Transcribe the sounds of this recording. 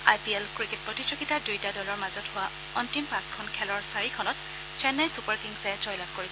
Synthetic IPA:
ajpiɛlkɹiket̚pɹɔtitɹɔkitadujtadɔlɔɹmazɔthʊwa | ɔntimpãskʰɔnkʰɛlɔɹsaɹikʰɔnɔt | t͡ʃɛnːajsupaɹkiŋsɛt͡ʃɔjlatkoɹis

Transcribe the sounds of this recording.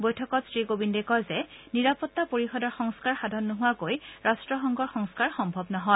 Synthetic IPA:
bojtʰɔkɔtsɹikobindekɔzɛniɹapɔtːapoɹixɔdɔɹxɔŋskaɹxadʱɔnːʊɦʊwakojɹastɹɔxɔŋɡɔɹxɔŋskaɹxɔmbʱɔbnɔɦɔ

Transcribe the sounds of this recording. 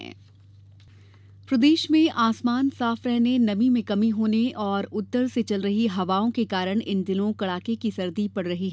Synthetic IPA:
ɛ̰ː | pɾɐd̪eːʃmẽʔaːsmaːnsaːfɾɛɦnenɐmimẽkɐmiɦoːneʔɔːɾʊt̪ːəɾset͡ʃɐlɾɐɦiɦɐʋaːõkekaːɾəɽ̃ɪnd̪ɪnõkɐɽaːkekisɐɾd̪ipɐɽɾɐɦiɦ

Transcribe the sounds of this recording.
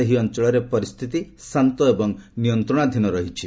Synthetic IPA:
eɦiɔnt͡ʃɔɭɔɾepɔɾist̪ʰit̪isant̪ɔebɔŋnijɔnt̪ɾɔɽ̃ad̪ʱinɔɾɔɦit͡ʃʰi

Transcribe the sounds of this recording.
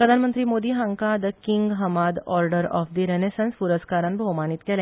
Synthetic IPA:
pɾəd̪ʱanmənt̪ɾiːmod̪iːɦəŋkad̪əkiŋɡɦəmad̪ɔɾɖəɾɔ̰fd̪iɾenesənspuɾəskaɾənbʱəwmanit̪kelẽ

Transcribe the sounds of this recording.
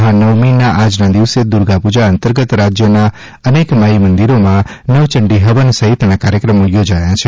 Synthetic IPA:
ɦãnəʋminaʔad͡ʒnad̪iʋsed̪uɾɡapud͡ʒaənt̪əɾɡət̪ɾad͡ʒjəna | ənekmaimənd̪iɾomãnəʋt͡ʃəɳɖiɦəʋənsəɦit̪nakaɾjəkɾəmojod͡ʒajãt͡ʃʰe

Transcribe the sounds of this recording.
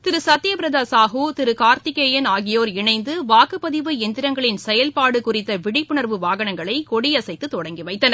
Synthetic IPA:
t̪ɪɾɯsɐt̪ːɪjɐpɪɾɐðaːsaːɦoːt̪ɪɾɯkaːɾt̪ɪkeːjɐnaːɣɪjoːɾɪɳɐɪnd̪ɯʋaːkɯpːɐðɪʋɯɛnd̪ɪɾɐŋɡɐɭɪnsɛjɐlpaːɽɯkʊrɪt̪ːɐʋɪɽɪpːɯɳɐɾʋɯʋaːɣɐɳɐŋɡɐɭɐɪkɔɽɪjɐsɐɪt̪ːɯt̪ːɔɽɐŋɡiʋɐɪt̪ːɐnɐ

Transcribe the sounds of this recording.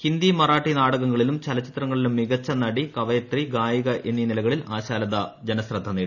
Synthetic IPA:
hind̪imɐraːʈːinaːɽɐɣɐŋːɐɭilumt͡ɕɐlɐt͡ɕːit̪rɐŋːɐɭilumːiɣɐt͡ɕːɐnɐɽikɐʋɐjɐt̪riɡaːjɐɣɐʔe̞nːinilɐɣɐɭilaːɕaːlɐðɐd͡ʑenɐsrɐd̪ʱːɐneːɽu

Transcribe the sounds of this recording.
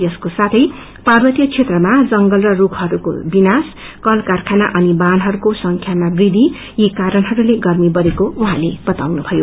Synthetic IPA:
jʌskosat̪ʰʌj | parbʌt̪jʌt͡sʰet̪rʌmad͡zʌŋɡʌlrʌrukʰɦʌɾuko̰binas | kʌlkarkʰanaʔʌnibanɦʌɾukosʌŋkʰjamabrid̪ʱi | jikaɾʌnɦʌɾuleɡʌrmibʌɾekouɦãleb̥ʌt̪awnubʱʌjo

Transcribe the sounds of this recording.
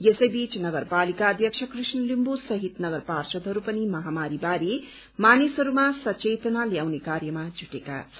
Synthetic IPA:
jesʌjbit͡snʌɡʌrpalikaʌd̪ʱjʌk̚t͡ʃʰʌkrisnʌlimbusʌɦit̪nʌɡʌrparsʌd̪ɦʌɾupʌnimʌɦamaɾibaɾi | manesɦʌɾumasʌt͡ʃet̪naljawnekarjʌmad͡zʱuʈeka̰t͡sʰʌ

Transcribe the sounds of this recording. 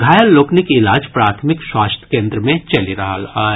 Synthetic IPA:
ɡʱaːjəlːoːknɪkɪlaːd͡ʒpɾaːt̪ʰmɪkʃwaːst̪ʰjə̥kẽːnd̪ɾəmẽt͡ʃɐliɾɐɦala

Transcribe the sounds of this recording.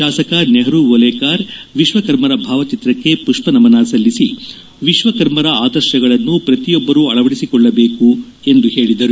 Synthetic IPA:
ʃaːsɐkɐneɦɐɾuʋolɛːkaːɾʋiʃʋɐkɐɾmɐɾɐbʱaːʋɐt͡ʃit̪ɾɐkːe̞puʂpɐnɐmɐnaːsɐlːisi | ʋiʃʋɐkɐɾmɐɾɐaːd̪ɐɾʃɐɡɐɭɐnːupɾɐt̪ijɔbːɐɾuɐɭɐʋɐɽisikɔɭːɐbe̞ːku | e̞nd̪uhe̞ːɭid̪ɐɾu

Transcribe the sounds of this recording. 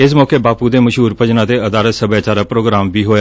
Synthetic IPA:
ɪs̬mɔːkeːbaːpuːd̪eːməʃɦuːɾpəd͡ʒnãːt̪eːəd̪aːɾət̪səbaːt͡ʃaːɾaːpɾoːɡɾaːmʋiːɦoːja

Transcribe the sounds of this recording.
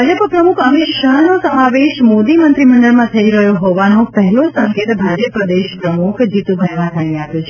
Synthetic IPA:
bʱad͡ʒəppɾəmukʰəmɪʃəɦnosəmaʋeʃmod̪imənt̪ɾiməɳɖəɾmãt̪ʰəiɾəɦjõɦɔʋanõpɛɦɛlosə̃ŋket̪bʱad͡ʒəpd̪eʃpɾəmukʰd͡ʒit̪ũbʱəjʋãt̪ʰainẽapjot͡ʃʰe

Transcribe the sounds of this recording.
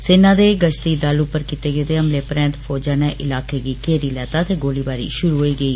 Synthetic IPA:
sɪnãːd̪eːɡət͡ʃt̪iːd̪əlʊpəɾkit̪eːɡeːd̪eːɦəmleːpɾɛ̃ːnt̪pʰoːd͡ʒaːnɛːʔɪlaːkeːɡiːkeːɾiːlɛːt̪aːt̪eːɡoːliːbaːɾḭːʃʊɾuːɦoːiːɡəiː

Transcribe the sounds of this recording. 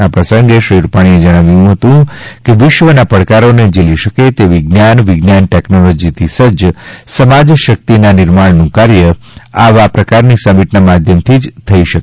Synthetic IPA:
apɾəsəŋɡeʃɾiɾupaɽ̃ied͡ʒəɽ̃aʋjũɦət̪ũkeʋɪʃʋənapəɽkaɾoned͡ʒeliʃəket̪eʋiɡnjanʋɪɡnjanʈeknolod͡ʒit̪ʰisəd͡ʒsəmad͡ʒʃək̚t̪inanɪɾmaɽnũkaɾjəaʋapɾəkaɾnisəmiʈnamad̪ʱjəmt̪ʰid͡ʒt̪ʰəiʃək

